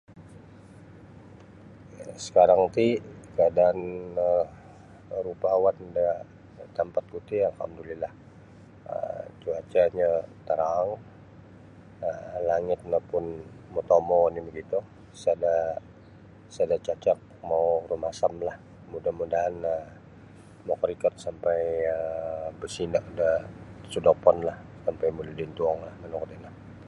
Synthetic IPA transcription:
sə̥kaɾaŋt̪ikəadaanə | ɾupawanda | t̪əmpat̪̚kut̪ialha̰mdulilah | ə̰t͡ʃuat͡ʃaɲat̪əɾaŋ | əlaŋɪt̪̚napʊnmot̪omɔinibəɡit̪u | sada | sadat͡ʃat͡ʃak̚mauɾumasamlah | mudahmudaɦanə | mokɾikɔt̪̚sampajəbəsinaʔdasudopɔnlah | sampajmuludint̪uɔŋlahmanɔkɔt̪ina

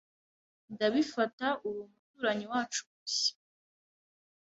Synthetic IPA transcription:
ndaβifataʔuwumutuːɾaɲiwaːt͡ʃuβusi̥

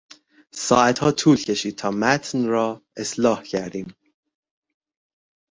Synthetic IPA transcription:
sɒːæt̪hɒːt̪ʰuːlcʰe̞ʃiːd̪̚t̪ʰɒːmæt̪ʰnrɒːe̞slɒːhcʰæɾd̪iːm

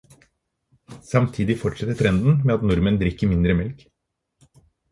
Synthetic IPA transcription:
sɑmt̪ʰiːd̪ɪfɔʈʂɛt̪ːət̪ʰɾɛnd̪n̩meːɑt̪nʊɾmənd̪ɾɪkːəmɪnd̪ɾəmɛlk

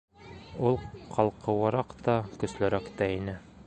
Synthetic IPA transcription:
ulˠqʰɑlˠqʰɤ̆wɑɾɑqt̪ɒkɵ̆slæɾækt̪æinɘ

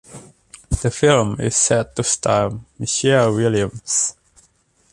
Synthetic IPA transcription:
d̪̥əfɪlmɪ̰sːɛtːust̪ʰamiʃɛwɪljə̃ms

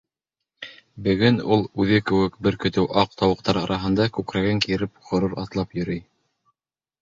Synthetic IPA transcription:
bɘ̆ɡɵnulˠʉðɘkɘ̆wɘkbɘɾkɵ̆t̪ɘwʔɑq̚t̪ɑwɤ̆q̚t̪ɑɾɑɾʔɑɦɤ̆nd̪ɑkʉkɾæɡɘŋkiɾɘpχŏɾuɾɑ̰t̪lˠɑpjɵ̆ɾɘj

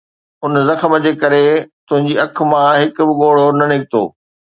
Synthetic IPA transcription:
ʊnzɐxəməd͡ʑeːkɐɾet̪ʊ̃ɦɪ̃ɲ̆d͡ʑiːɐk̆ʰmãɦɪkʊ̆bɪɠoːɽ̤onɐnɪɡ̚t̪o̰ː

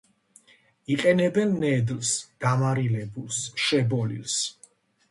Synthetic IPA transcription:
iqʼɛnɛbɛnːɛd̪lsd̪̥amaɾilɛbulˠsʃɛbɔlḭls

